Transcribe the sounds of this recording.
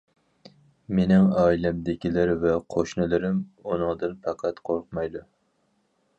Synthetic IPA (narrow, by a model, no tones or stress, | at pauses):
menɪŋɑːjlɛmd̪ɪkʲʰilɪɾvɛqʰoʃnɨlˠɨɾɪmunɨŋd̪ɨnpʰɑqʰæt̪qʰoɾqmɑjd̪u